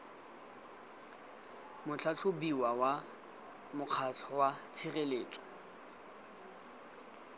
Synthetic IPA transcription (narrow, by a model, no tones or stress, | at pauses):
mʊt͡ɬʰat͡ɬʰʊbiwawa | mʊq͡χʰat͡ɬʰɔwat͡sʰireleːt͡sʼɔ̥